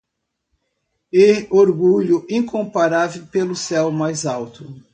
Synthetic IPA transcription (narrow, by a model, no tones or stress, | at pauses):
eoɾɡuʎʊʔĩŋkõpaɾavewpelʊsɛwmajzawt̪ʊ